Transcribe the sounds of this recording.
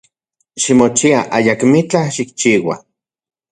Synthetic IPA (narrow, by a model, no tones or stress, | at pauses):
ʃimot͡ʃiaʔajakmit͡ɬaʃik̚t͡ʃiːwa̰